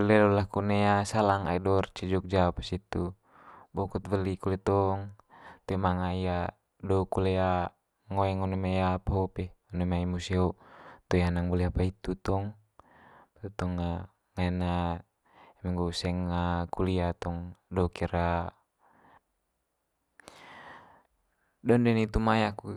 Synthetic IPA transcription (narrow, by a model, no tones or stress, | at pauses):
bəlɛlulahkunɛasalaŋa̰idɔrt͡ʃɛd͡ʒɔk̚d͡ʒapḁsit̪u | bɔkut̪vəlikulɛt̪ɔŋ | t̪umaŋaja | dɔukulɛa | ŋoɛŋɔnɔmajapaupɛɔnumaimusiot̪ɔjanaŋbuliapait̪ut̪ɔŋ | pt̪ut̪ɔŋːa | ŋaɛna | ɛmaŋɡousɛŋakuliat̪ɔŋdɔukiɾa | dɔndɛnit̪umajaku